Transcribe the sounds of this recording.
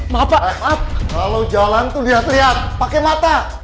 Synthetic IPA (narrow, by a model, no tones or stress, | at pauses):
mapamapakalowd͡ʒalant̪uliɦat̪liɦat̪̚pakemat̪a